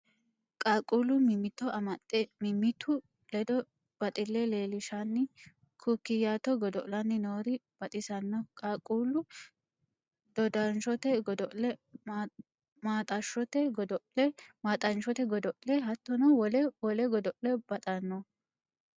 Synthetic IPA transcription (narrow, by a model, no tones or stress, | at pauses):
kʼaːkʼuːlʊmɪmːɪt̪ːɔɐmɐt̪ʼːɛmɪmːɪt̪ʰːʊ | lɛd̪ɔ | b̥ɐt̪ʼɪlːɛleːlɪʃanːɪ | kʰukːɪjaːt̪ɔɡɔd̪ɔʔlɐnːɪnoːɾɪb̥ɐt̪ʼɪsɐnːɔkʼaːkʼuːlʊ | d̪̥ɔd̪ɐnʃɔt̪ɛɡɔd̪ɔʔlɛ | maːt̪ʼɐʃɔt̪ɛɡɔd̪ɔʔlɛmaːt̪ʼɐnʃɔt̪ɛɡɔd̪ɔʔlɛɦɐt̪ːɔnɔwɔlɛwɔlɛɡɔd̪ɔʔlɛbɐt̪ʼɐnːɔ